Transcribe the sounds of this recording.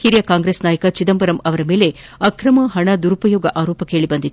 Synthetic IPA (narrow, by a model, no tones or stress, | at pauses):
hiɾjɐkaːŋɡɾesnaːjɐkɐt͡ʃid̪ɐmbɐɾɐmɐʋɐɾɐmeːleɐkɾɐmɐɦɐɳɐd̪uɾupɐjoːɡɐʔaːɾoːpɐkeːɭibɐnd̪it̪ː